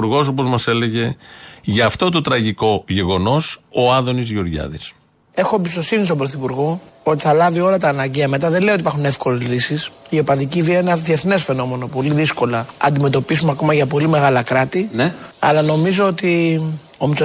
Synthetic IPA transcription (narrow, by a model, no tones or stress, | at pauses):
uɾɣo̞s̬opo̞zmɐse̞le̞ʝe̞ʝɐːft̪o̞t̪o̞t̪ɾɐʝiko̞ʝe̞ɣo̞no̞so̞ɐnðo̞nizʝio̞ɾʝɐ̰ðis | e̞xo̞ebist̪o̞sinist̪o̞bɾo̞θipuɾɣo̞o̞t̪i̥θɐlɐvio̞lɐt̪ɐːnɐɲɟeɐme̞t̪ɐðe̞nleot̪ipɐɾxune̞fko̞le̞zlisisio̞pɐðiciviɐenɐðieθne̞sfe̞no̞mo̞no̞po̞liðisko̞lɐɐ̰nd̪ime̞t̪o̞pis̬umɐko̞mɐʝɐpo̞lime̞ɣɐlɐkɾɐt̪iɐ̰lɐno̞mizo̞ot̪i | omis